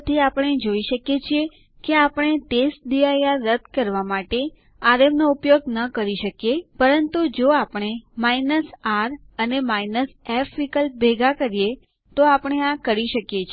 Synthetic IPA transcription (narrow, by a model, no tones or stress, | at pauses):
t̪ʰiapəɳ̃ed͡ʒoiʃəkjet͡ʃʰie | keapəɳ̃et̪esd̪iajaɾəd̪ʱkəɾʋamaʈe | aɾemnoupjoɡ̚nəkəɾiʃəkjepəɾənt̪ud͡ʒoapəɽ̃emainəsaɾənemainəsɛfɾikəlbʱeɡakəɾije | t̪oapəɳ̃eãkəɾiʃəkjet͡ʃʰ